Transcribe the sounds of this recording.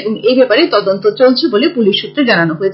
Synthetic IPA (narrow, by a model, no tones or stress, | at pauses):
boŋebɛpaɾet̪ɔd̪ont̪ot͡ɕolt͡ɕʰebolepuliʃːut̪ːɾed͡ʑananoɦoet͡ɕʰ